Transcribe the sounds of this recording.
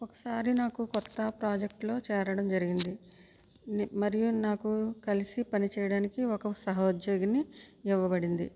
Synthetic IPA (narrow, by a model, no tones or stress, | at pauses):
okɐ̥saːɾinaːkukɔt̪ːɐpɾaːd͡ʒek̚ʈlo̞ːt͡ʃɛːɾɐɽɐmd͡ʒɐɾiɡind̪i | mɐɾijunaːkukɐlisipɐnit͡ʃɛːjɐɽaːnikiɔkɐsɐɦɐd͡ʒoːɡɐniiʋːɐbɐɽind̪ḭ